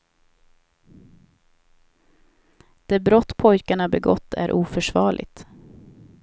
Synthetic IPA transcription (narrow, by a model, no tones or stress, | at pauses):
d̪̥eːbɾɔt̪ːpʰɔjkaɳabɛɡɔt̪ʰːæ̰ɾʔuːfœʂvɑːɭʔɪ̰t̪